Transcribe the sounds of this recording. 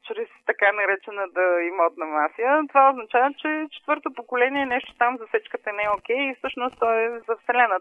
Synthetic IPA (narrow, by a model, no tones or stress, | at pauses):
t͡ʃɾɛst̪ɐkanɐɾɛt͡ʃɛnəd̪ɐimɔt̪nɐmasijət̪ovaoznɐt͡ʃavət͡ʃɛt͡ʃɛ̥t̪vɤɾt̪opokolɛniɛnɛʃt̪o̥t̪amzɐsɛt͡ʃkət̪ənɛok̟ɛjifsɤʃnost̪t̪ɔɛzɐfsɛlɛnə